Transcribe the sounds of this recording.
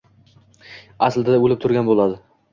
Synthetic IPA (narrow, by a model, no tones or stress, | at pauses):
asld̪ad̪aolɪp̚t̪ʰʊɾɡʲanbolˠad̪ɪ